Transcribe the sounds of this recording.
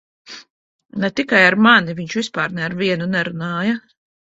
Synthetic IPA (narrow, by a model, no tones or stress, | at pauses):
nɛt̪ikajaɾmaniviɲt͡ʃvispaːɾnɛaɾviɛnunɛɾunaːja